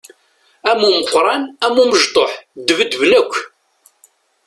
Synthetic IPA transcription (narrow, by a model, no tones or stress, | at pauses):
æmuməqʷːɾˤɑnæmːuməʒt̪ˤoħd̪əvəd̪vnəkʷː